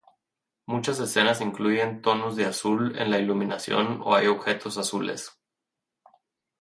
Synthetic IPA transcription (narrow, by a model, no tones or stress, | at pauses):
mut͡ʃase̞se̞nasiŋkluʝe̞nt̪o̞no̞zðe̞asule̞̰nlailumĩnasjo̞̰no̰ajo̞βxe̞t̪ʰo̞sasulʔe̞̰s